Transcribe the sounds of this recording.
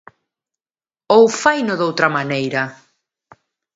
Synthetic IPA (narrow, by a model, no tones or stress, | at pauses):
owfajnoðowt̪ɾɐmanejɾɐ